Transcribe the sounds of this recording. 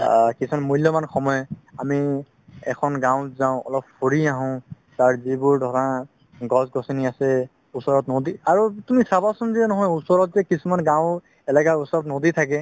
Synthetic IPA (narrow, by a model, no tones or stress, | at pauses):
kisɔnmuljɔmanxɔmɔjɔami | ɛkʰɔnɡãʊ̃zaʊ̃ɔ̰lɔphoɹiaɦɔ̃ | taɹzibʊɹdʱɔɹã | ɡɔsɡɔsiniasɛ | usɔɹɔt̪nɔd̪iaɹutumisabasɔnziɛnɔɦɔjusɔɹɔt̚zɛkisumanɡãʊ̃ | ɛlɛkausɔɹɔt̪nod̪it̪ʰak̬ɛ